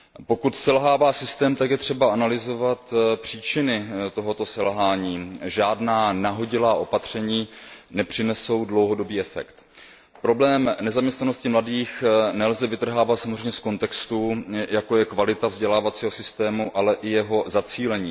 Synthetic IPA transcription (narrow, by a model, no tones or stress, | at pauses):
po̞kut̪sɛlɦaːvaːsɪst̪ɛːmt̪akjɛt̪r̝̥ɛbaʔanalɪzo̞vat̪pr̝̥iːt͡ʃɪnɪt̪o̞ɦo̞t̪o̞sɛlɦaːɲiːʒaːdnaːnaɦo̞ɟɪlaːʔo̞pat̪r̝̥ɛɲiːnɛpr̝̥ɪnɛso̞wdlo̞wɦo̞do̞biːɛfɛ̰kt̪ | pɾo̞blɛːmnɛzamɲɛst̪nano̞scɪmladiːxnɛlzɛvɪt̪r̩ɦaːvat̪samozrejmɲɛsko̞nt̪ɛkst̪ujako̞jɛkvalɪt̪avzɟɛlaːvat͡siːɦosɪst̪ɛːmuʔalɛʔɪjɛɦo̞zat͡siːlɛɲiː